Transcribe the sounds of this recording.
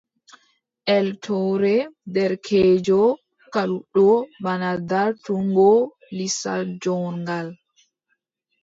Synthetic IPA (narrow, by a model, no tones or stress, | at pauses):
ʔɛltʰɔɾɛdɛɾkʰɛd͡ʒɔ | kaluɗɔbanadaɾtuŋɡɔ | lisald͡ʒɔːnŋɡal